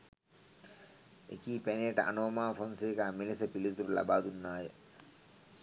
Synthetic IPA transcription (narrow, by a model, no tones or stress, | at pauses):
ḛkiːpeneːʈəʔa̰noːmaːfonseːkəamilisɐpilit̪uɾulɐ̰baːd̪unːaːjə